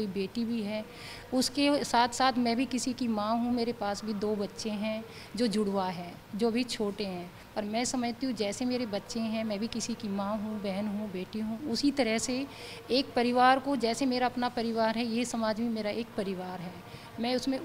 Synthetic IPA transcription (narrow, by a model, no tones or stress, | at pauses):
koibeːʈibʱiɦɛː | ʊskesaːt̪ʰsaːt̪ʰmɛ̃ːbʱikɪsikimãːɦũmeːɾepaːsbʱid̪oːbɐtːʃẽɦɛ̃ | d͡ʒoːd͡ʒʊɽwaɦɛ̃ː | d͡ʒoːbʱit͡ʃʰoːʈeɦɛ̃ː | pɐɾmɛ̃ːsɐməd͡ʒʱt̪iɦũd͡ʒɛːsemeːɾebɐtːʃẽɦɛ̃mɛ̃ːbʱikɪsikimãːɦũbɛɦənɦũbeːʈiɦũːʊsit̪ɐɾəɦse | eːk̚pɐɾɪʋaːɾkod͡ʒɛːsemeːɾaɐpnapɐɾɪʋaːɾɦɛjesɐmaːd͡ʒbʱĩmeːɾaʔeːk̚pɐɾɪʋaːɾɦɛː | mɛ̃ːʊsmẽ